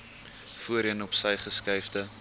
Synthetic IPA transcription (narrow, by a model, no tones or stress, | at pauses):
fuəɾiənɔpsəjχəskɐjfdə